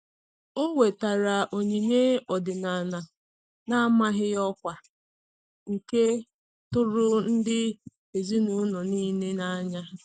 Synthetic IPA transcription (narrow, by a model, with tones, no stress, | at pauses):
o˦we˨ta˨ɾa˨ʔo˨ɲe˨ɲe˦ɔ˨dɪ˨na˨na˨ | na˦a˦ma˦ɦɪ˦jɔ˦kʷa˨ | ŋ̩˨ke˦ | tʊ˦ɾʊ˦n̩˦dɪ˦ | e˨zi˦nʊ˦nɔ˨niː˦ne˦na˦ɲa˦